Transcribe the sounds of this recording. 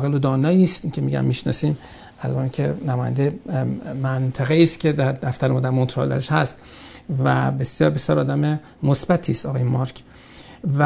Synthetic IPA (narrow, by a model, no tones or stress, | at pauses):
ɣelod̪ɒːnɒːiːst̪iːkʲcʰemiɟæ̰mmiʃnɒ̰ːsiːm | æzbɒikʰḛnæmɒːjæ̰nd̪emænt̪ʰæɣeiːst̪cʰed̪æɾd̪æft̪æɾemoːd̪ækont̪ɾo̰ld̪æ̰ɾeʃhæst̪ | væ̰be̞sjɒːɾbesjɒːɾɒːd̪æme | mosbæt̪ʰist̪ɒːɣːjemɒɾkʰ | væ